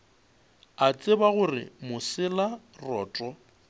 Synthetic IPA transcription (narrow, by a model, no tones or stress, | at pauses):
at͡sʼɪbaɣʊrɪ̰mʊsɪla | rɔːtʼɔ